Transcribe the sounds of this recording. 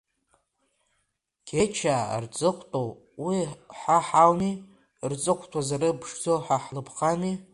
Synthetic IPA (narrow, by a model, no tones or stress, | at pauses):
ɡ̥ʲʰet͡ʃʰa̰rt͡sʼɨqʷʰʼtʼow | wiħaħawni | rt͡sʼɨqʷʰtʰʼwazaɾɨbʰʂd͡zoħaħlɨpʰqʰʼani